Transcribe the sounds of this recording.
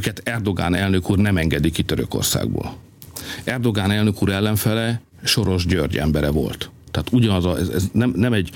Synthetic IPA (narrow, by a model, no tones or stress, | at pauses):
kɛt̪ɛrd̪o̞ɡa̰ːnɛlnø̞kuːrnɛmɛŋɡɛd̪ikit̪øɾø̰ko̰rsa̰ːɡbo̰ːl | ɛrd̪o̞ɡaːnɛlnø̞kuːɾɛlːɛɱfɛlɛ | ʃo̞ɾo̞ʒɟørɟɛ̰mbɛɾɛvo̞̰lt̪ːaːt̪uɟɒnɒzɒɛzɛ̰znɛmnɛmɛɟ